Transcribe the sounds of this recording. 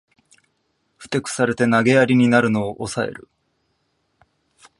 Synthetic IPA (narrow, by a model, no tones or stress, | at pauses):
ɸɯ̟̥t̪e̞kɯ̟̥saɾe̞t̪e̞naɡe̞jaɾʲiɲ̟inaɾɯ̟no̞ːʔosae̞̰ɾɯ̟